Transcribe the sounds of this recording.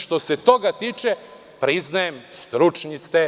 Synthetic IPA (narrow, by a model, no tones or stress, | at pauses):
ʃt̪o̞set̪o̞ɡat̪iːt͡ʃe | pɾiznajemst̪ɾut͡ʃɲist̪e